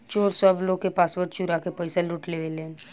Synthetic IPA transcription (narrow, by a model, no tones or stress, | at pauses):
t͡ʃoːɾsɔbloɡ̚kepaːsʋəɾʈt͡ʃuɾakepəɪselʊʈleʋele